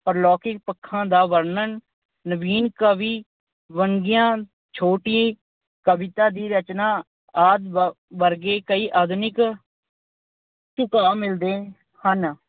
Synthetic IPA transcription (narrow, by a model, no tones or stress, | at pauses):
pəɾlɔːkɪk̚pəkʰːãːd̪aːʋəɾnən | nəbiːnkəʋiː | ʋəŋɡɪjãː | t͡ʃʰoːʈiiː | kəbɪt̪aːd̪iːɾət͡ʃnaː | aːd̪ | ʋəɾɡeːkəiːʔaːd̪nɪk | t͡ʃʊkaːmɪld̪eː | hən